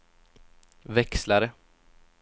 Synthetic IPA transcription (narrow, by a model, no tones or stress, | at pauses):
vɛkslaɾə